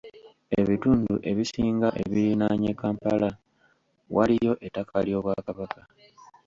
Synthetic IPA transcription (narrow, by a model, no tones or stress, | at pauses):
e̞βituːnduʔe̞βisiːŋɡaʔe̞βiɾinaɲekaːmpala | walijo̞ʔe̞tːakʰaljo̞ːβwakaβaka